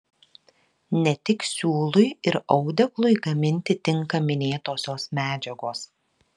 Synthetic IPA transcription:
nʲɛt̪ʲɪksʲuːlˠʊɪɪɾɒʊd̪ʲɛklˠʊɪɡɐmʲɪnʲt̪ʲɪt̪ʲɪŋkɐmʲɪnʲeːt̪oːsʲoːsmʲæːd͡ʒʲɛɡoːs

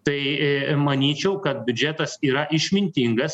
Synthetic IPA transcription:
t̪ɐɪmɐnʲiːt͡ʃʲɛʊkɐt̪̚bʲʊd͡ʒʲæt̪ɐsiːɾɐʔɪʃʲmʲɪnʲt̪ʲiŋɡɐs

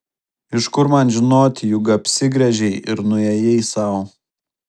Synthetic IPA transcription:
ɪʃkʊɾmɐnʒʲɪnoːt̪ʲɪjʊɡɐpʲsʲɪɡɾʲɛʒʲɛɪʔɪɾnʊɛjɛɪsɐʊ

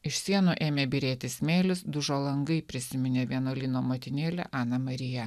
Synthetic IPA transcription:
ɪʃʲsʲiɛnuːʔeːmʲeːbʲɪɾʲeːt̪ʲɪsmʲeːlʲʊsd̪ʊʒoːlˠɐŋɡɐɪpʲɾʲɪsʲɪmʲɪnʲeːʋʲiɛnoːlʲinoːmoːt̪ʲɪnʲeːlʲɛ̰ʔɑːnɐmɐɾʲɪjɛ

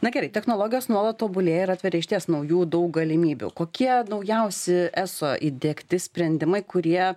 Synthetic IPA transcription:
nɐɡʲɛɾɐɪt̪ʲɛxnoːlˠoːɡʲɪjoːsnuɔlˠɐt̪toːbʊlʲeːjɛɪɾɑːt̪ʋʲɛɾʲɛɪʃʲt̪ʲiɛsnɐʊjuːd̪ɐʊk̚ɡɐlʲɪmʲiːbʲṵkoːkʲiɛnɐʊjɛʊsʲɪʔæsoːʔiːd̪ʲeːkt̪ʲɪsʲpʲɾʲɛnʲd̪ʲɪmɐɪkʊɾʲiɛ

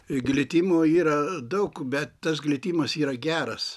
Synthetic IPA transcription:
ɡlʲɪt̪ʲiːmoːiːɾɐd̪ɐʊkbʲɛt̪t̪ɐsɡlʲɪt̪ʲiːmɐsiːɾɐɡʲæːɾɐs

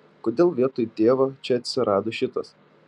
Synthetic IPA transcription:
koːd̪ʲeːlˠʋʲiɛt̪oːjut̪ʲeːʋɐt͡ʃʲɛɐt̪ʲsʲɪɾʔɑːd̪oːʃʲɪt̪ɐs

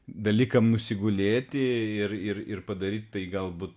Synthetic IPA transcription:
d̪ɐlʲiːkɐmnʊsʲɪɡʊlʲeːt̪ʲɪɪɾɪɾɪɾpɐd̪ɐɾʲiːt̪̚ʲt̪ɐɪɡɐlˠbuːt̪̚

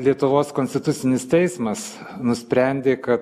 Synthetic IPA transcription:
lʲiɛt̪ʊʋoːskoːnʲsʲt̪ʲɪt̪ʊt̪sʲɪnʲɪst̪ʲɛɪsmɐs | nʊsʲpʲɾʲɛnʲd̪ʲeːkɐt̪

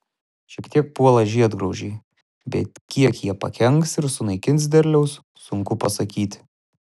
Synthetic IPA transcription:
ʃʲiɛkt̪ʲiɛk̚puɔlˠɐʒʲiɛd̪ɡɾɒʊʒʲɛɪ | bʲɛ̰t̪kʲiɛkjiɛpɐ̰kʲɛŋksɪɾsʊnɐɪkʲɪnt̪s̬ʲd̪ʲɛɾʲlʲɛʊs | sʊŋkʊpɐsɐkʲiːt̪ʲ

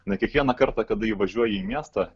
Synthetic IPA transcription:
nʲɛkʲiɛkʋʲiɛnɐkɐɾt̪ɑkɐd̪ɐiʋɐʒʲuɔjɛiːmʲiːst̪ɐ

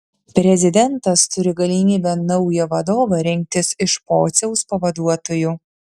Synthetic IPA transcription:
pʲɾʲɛzʲɪd̪ʲɛnt̪ɐst̪ʊɾʲɪɡɐlʲimʲiːbʲɛnɐʊjɛʋɐd̪oːʋɐɾʲɪŋʲk̚t̪ʲɪsɪʃpo̰ːt̪sʲɛʊspɐʋɐd̪uɔt̪oːjʊ

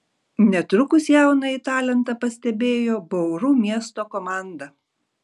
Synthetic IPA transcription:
nʲɛt̪ɾʊkʊsjæˑʊnɐit̪ɑːlʲɛnt̪ɐpɐsʲt̪ʲɛbʲeːjoːbɐʊɾuːmʲiɛst̪oːkɔmɑˑnd̪ɐ

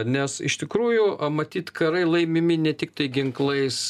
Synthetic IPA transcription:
nʲɛsɪ̰ʃt̪ʲɪkɾuːjʊɐmɐt̪ʲiːt̪kɐɾɐɪlˠɐɪmʲɪmʲɪnʲɛt̪ʲɪk̚t̪ɐɪɡʲɪŋklˠɐɪs

